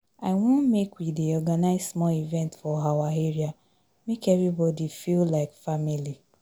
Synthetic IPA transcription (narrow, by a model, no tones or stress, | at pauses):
aɪwõnmekwidiɔɡanaɪzsmɔivɛ̃ntfɔɦawaɦeɹia | mekɛvɹibɔdifillaɪkfamili